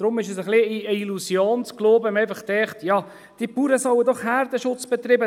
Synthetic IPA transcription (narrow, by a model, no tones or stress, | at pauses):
d̥ɾʊmɪʃəsəχliiəilusjoːnt͡skloːbəmɛɪfəχt̪ɛχt̪jɑ | d̥ipuːɾəsɔwədɔχhæɾd̥əʃʊt͡sb̥ɛt̪riːbə